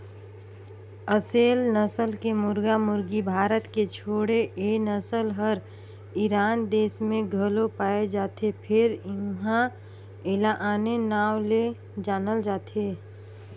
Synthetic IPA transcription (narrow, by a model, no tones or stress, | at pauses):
əseːlnəsəlkemʊɾɡamʊɾɡibʱaːɾət̪ket͡ʃʰoːɽeʔeːnəsəlɦəɾ | iɾaːnd̪eːsmẽɡʱəlopaːed͡ʒaːt̪epʰɪɾɪɦã | elaʔaːnenaːwle | d͡ʒaːnəld͡ʒaːt̪ʰeː